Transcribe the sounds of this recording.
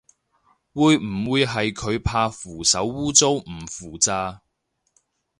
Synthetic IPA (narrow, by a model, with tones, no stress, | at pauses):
wuː˨˧jm̩˨˩wuː˨˧jɦɐ˨jkʰɵ˨˧ɥpʰaː˧fuː˨˩sɐ˨˥wːuː˥t͡so˥wm̩˨˩fuː˨˩t͡saː˧